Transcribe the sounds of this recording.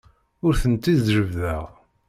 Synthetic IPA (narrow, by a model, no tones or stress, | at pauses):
ʊɾθənt̪ːizɾəvðæʁ